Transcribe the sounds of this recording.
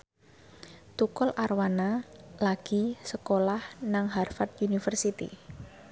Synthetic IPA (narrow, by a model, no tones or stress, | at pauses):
t̪ukɔlʔarwanalaɡ̥i̤səkolahnaŋɦarfat̪junifərsit̪ḭ